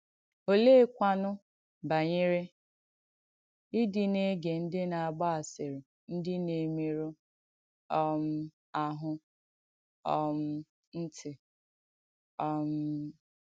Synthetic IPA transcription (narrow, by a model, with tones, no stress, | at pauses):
o˦le˦kʷa˦nʊ˦ | ba˨ɲɪ˦ɾɪ˦ | i˦dɪ˨ne˦ɡe˨n̩˦dɪ˦na˨a˨ɡ͡ba˦a˨sɪ˨ɾɪ˨ | n̩˦dɪ˦ne˨mi˦ɾu˦ | ɔ˦m̩˦ | a˨ɦʊ˦ | ɔ˦m̩˦ | n̩˦tʰɪ˨ | ɔ˦m̩˦